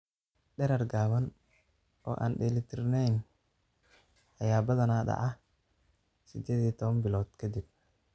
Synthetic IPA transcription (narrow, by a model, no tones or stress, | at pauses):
ɗɛɾɐrɡaːβɐn | ʔɔ̰ːʔa̰ːnɖɛːlɪt̪ʰɪrnɛjn | ɐjaːbɐðɐnaːɖɑ̰ʕɑ | sɪd̪ɛːðiːt̪ʰɔβɐnbɪlɔːd̪̥kʰɐd̪ɪb̚